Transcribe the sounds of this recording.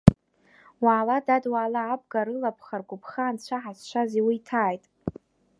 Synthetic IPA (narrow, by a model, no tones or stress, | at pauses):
waːladadwaːlaːb̚ɡaɾɨlapʰχarɡʷʊpʰχaːnt͡ɕʷʰaħast͡ʃʷʰaziwitʰaːjtʼ